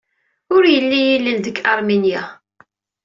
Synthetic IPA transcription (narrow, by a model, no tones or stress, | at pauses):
ʊɾjəlːijilːild̪əkːɑɾˤminja